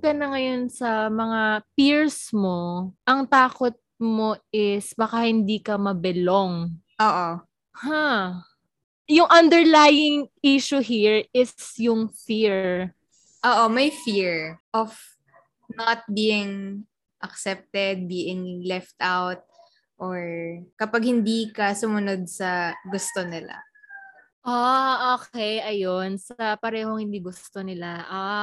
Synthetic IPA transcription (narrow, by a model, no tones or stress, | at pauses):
kɐnɐŋɐjo̞nsɐmɐŋapiɹsmo̞ʔɐŋt̪aːkot̪̚mo̞ɪsbakahɪnd̪iːkɐmɐbɛloŋ | ʔoːʔo | ha | jʊŋʔɐnd̪ɛɹlaːjɪŋiːʃʊɦiɹɪsjʊŋfiɹ | ʔoːʔomɐjfiɹʔɔv | not̪̚biːɪŋ | ʔɐksɛp̚t̪ɛd̪̚biːʔɪŋlɛft̪awt̪̚ | ʔoɹkɐpaɡ̚hɪnd̪iːkɐsʊmʊnod̪̚sɐɡʊst̪onɪla̰ | ʔoʔoːkɛjʔɐjonsɐpɐɾɛːhoŋhɪnd̪iːɡʊst̪onɪlaʔa